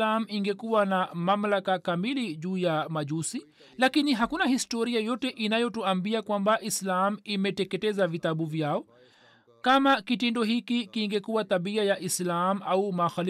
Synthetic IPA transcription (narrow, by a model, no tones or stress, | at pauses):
am̩iŋɡɛkuwanamamlakakamiliʄuːjamaʄusi | lakiniɦakunahistɔɾiajɔtɛʔinajɔtuambiakwambaʔislamuimɛtɛkɛtɛzavit̪aɓuvjaɔ | kamakitɛndɔhikikiŋɡɛkuwat̪aɓiajaʔislam̩aumaxal